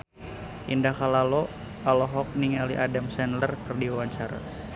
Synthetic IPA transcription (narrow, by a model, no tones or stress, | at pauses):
ʔindakalalɔ | alɔɦɔk̚niŋaliʔadamsɛnlərkɨrdiawaɲt͡ʃaɾa̰